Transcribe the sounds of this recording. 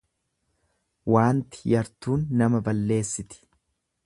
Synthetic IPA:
waːnt̪ɪ̥jɐɾt̪uːnːɐmɐbɐlːe̞ːsːɪt̪ɪ̥

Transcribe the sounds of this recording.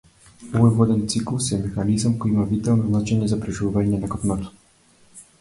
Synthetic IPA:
ɔvɔjvɔd̪ɛnt̪siklˠusɛmɛxanizamkɔjimavit̪alˠnɔznat͡ʃɛɲɛzapɾɛʒuvuvaɲɛnakɔpnat̪ɔ̥

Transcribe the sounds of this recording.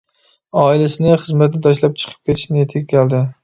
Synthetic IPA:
ɒɪlasɪnɪχɨzmat̪nɪt̪ʰɒʃlap̚t͡ʃʰɨ̥qʰɨ̥p̚kʲʰe̞t̪ʰɪ̥ʃnɪjet̪ʰɪkʲkʲʰald̪ɪ

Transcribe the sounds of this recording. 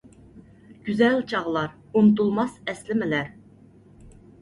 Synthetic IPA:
ɡ̥ʲyzɛlt͡ʃʰɑʁlˠɑɾ | unt̪ulˠmɑsɛslɪmɪlæɾ

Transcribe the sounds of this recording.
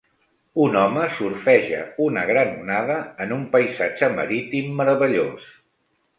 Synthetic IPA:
unɔməsuɾfɛʒə̰unəɣɾanunaðəːnumpəjzad͡ʒəmə̰ɾit̪imːəɾəβəʎos

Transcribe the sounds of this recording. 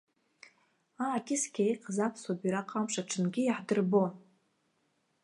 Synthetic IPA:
aːkʲʼɪskʲʰejqʰʼzapʰsobiɾaqʼamʂaʈ͡ʂʰɨnɡʲɪjaħdɨrbo

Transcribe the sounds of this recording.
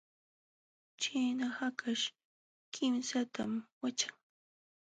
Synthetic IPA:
t͡ʃajnahakʰaʃ | kʰɪmsat̪amwat͡ʃḁŋ

